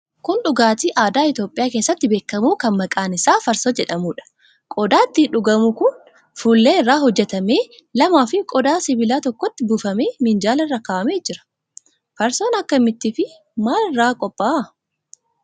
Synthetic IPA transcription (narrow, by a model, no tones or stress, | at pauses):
kʊnᶑʊɡaːt̪iːʔaːd̪aːɪt̪joːpʼɪjaːkeːsːɐt̪ːɪbe̞ːkːɐmuːkɐnmɐkʼaːnɪsaːfɐɾsoːd͡ʒɛᶑɐmuːᶑɐ̥ | kʼɔd̪aːt̪ːɪᶑʊɡɐmʊkʊn | fuːlːeːɪrːaːɦɔd͡ʒːɛt̪ɐme̞ː | lɐmaːfɪkʼɔd̪aːsɪbɪlaːt̪ɔkːɔt̪ːɪbufɐme̞ːmɪnd͡ʒaːlɐrːɐkaːɐmeːd͡ʒɪɾɐ̥ | fɐɾso̞ːnɐkːɐmɪt̪ːiːfɪ | maːlɪrːaːkʼɔpʼːaː